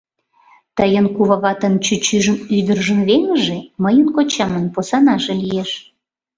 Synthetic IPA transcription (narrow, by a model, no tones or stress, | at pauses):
t̪əjənkuβɑɣɑt̪ə̆nt͡ɕyt͡ɕyʒəmyd̪ərʒə̆mβeŋəʒeməjənkot͡ɕɑmənposɑnɑʒelijeʃ